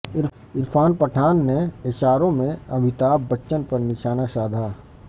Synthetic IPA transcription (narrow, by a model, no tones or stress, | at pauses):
ɪɾ | ɪɾfʰaːnpɐʈʰaːnːeeʃaːɾõmẽɐbʱɪt̪aːbɐtːʃənpɐɾnɪʃaːnaʃaːd̪ʱaː